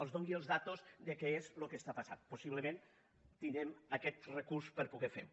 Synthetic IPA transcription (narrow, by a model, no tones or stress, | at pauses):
əlˠzðoŋɡiəlˠzðat̪ozðəkɛezlokəst̪apasa̰t̪pusiβləmẽn | t̪inɾɛməkɛt̪rəkuɾspəɾpuɣɛfe